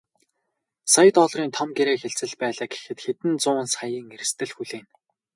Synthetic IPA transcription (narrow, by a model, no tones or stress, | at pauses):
saj̆t̪ɔɮriːnt̪ʰɔmɡeɾeːxeɬt͡sɘ̆ɮpæːɮaːɡe̥xɘ̆t̪xet̪ɘ̆nt͡sʊːnsajiːŋerɘ̆st̪ɘ̆ɮxuɮeːn